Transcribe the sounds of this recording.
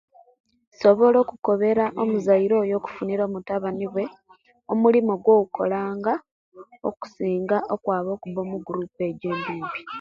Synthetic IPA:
so̞βo̞lo̞ːkuko̞βe̞ɾaʔomuzaiɾo̞ːjo̞ku̥funiɾo̞ːmutaβaniβwe̞ | omulimoɡwo̞ːɡukʰo̞laːŋɡa | o̰ku̥siːŋɡaʔo̞kwaːβo̞ːkuβo̞ːmuɡuɾuːpe̞ːɟe̞ːmbiːmbi

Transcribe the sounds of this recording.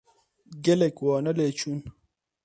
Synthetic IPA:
ɡelekwɔːnəlet͡ʃun

